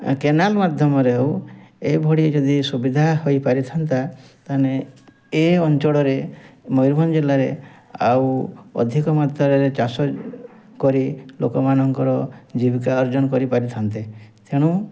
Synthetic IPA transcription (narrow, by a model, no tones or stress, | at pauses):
kenalmad̪ʱjɔmɔɾeoebʱɔɽied͡ʒɔd̪isubid̪ʱahojpaɾit̪ʰant̪at̪ane | eɔnt͡ʃɔɽɔɾemɔjɾbʱɔnd͡ʒelaɾḛ | a̰wɔ̰d̪ʱikɔmad̪ʱɔɾeɾet͡ʃasɔ | kɔɾilokɔmanɔŋkɔɾɔd͡ʒibikaɔɾd͡ʒɔnɔkɔɾipaɾit̪ʰant̪it̪ʰeɽ̃u